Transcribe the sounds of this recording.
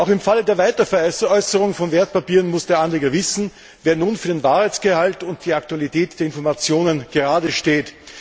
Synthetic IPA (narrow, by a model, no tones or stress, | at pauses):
ʔaʊxɪmfalədeːɐvaɪtɐfɛɐɛʔɔʏsəʁʊŋfɔnveːɐt̚papiːʁənmʊsd̥eːɐʔanleːɡɐvɪsn̩ | veːɐnuːnfyːɐdeːnvaːʁaɪt͡sɡ̥əhaltʊnt̚d̥iːaktualitɛːtd̥eːɐɪnfɔɐmat͡sjoːnənɡ̥əʁaːdəʃteːt